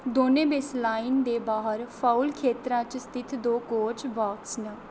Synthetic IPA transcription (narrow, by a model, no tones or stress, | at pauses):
d̪oːnẽːbeslaːind̪eːbaːɦəɾpʰaːulkʰeːt̪ɾãːt͡ʃst̪ʰɪt̪ʰd̪oːkoːt͡ʃbaːksnə